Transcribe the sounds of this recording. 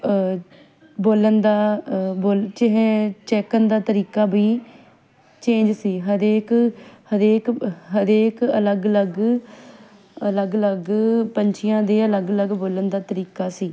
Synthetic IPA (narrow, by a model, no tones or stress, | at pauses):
boːlənd̪aːboːlt͡ʃɪɦẽːt͡ʃɛːkənd̪aːt̪əɾiːkaːbiː | t͡ʃẽːɲd͡ʒsiːɦəd̪eːkhəɾeːkɦəɾeːkələɡələɡ | ələɡələɡpəɲt͡ʃʰɪjãːd̪eːələɡələɡboːlənd̪aːt̪əɾiːkaːsiː